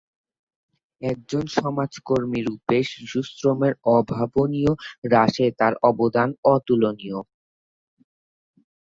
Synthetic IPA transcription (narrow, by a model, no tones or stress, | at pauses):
ɛk̚d͡ʑonʃɔmad͡ʑkoɾmiɾupeʃʃusɾomeɾɔbʱabonijoɾaʃet̪aɾɔbod̪anɔt̪ulonio